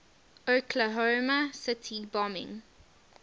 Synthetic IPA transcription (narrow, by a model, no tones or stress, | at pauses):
œkʰləɦɔːməsɪtʰibɑmɪ̰̃ŋ